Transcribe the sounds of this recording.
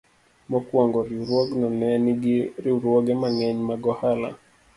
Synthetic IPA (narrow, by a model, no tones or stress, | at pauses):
mɔkwɔŋɡɔɾiuɾwɔɡnɔnɛniɡiɾiuɾwɔɡɛmaŋɛɲmaɡɔhala̰